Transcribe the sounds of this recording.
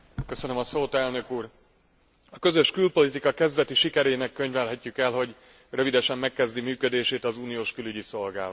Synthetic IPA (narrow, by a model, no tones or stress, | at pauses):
kø̞sø̞nømɒsoːt̪ɛlnø̞kuːr | ɒkø̞zø̞ʃkylpo̞lit̪ikɒkɛzvɛt̪iʃikɛɾeːnɛkːøɲvɛlɦɛcːykɛlɦo̞ɟ | rø̞vid̪ɛʃɛmːɛkːɛzd̪imyːkø̞d̪eːʃeːt̪ɒzuːnijoːʃkylyɟiso̞lɡa̰ːa